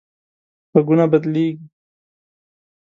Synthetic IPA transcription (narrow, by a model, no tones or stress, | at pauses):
pəɡunabɐd̪leːɡi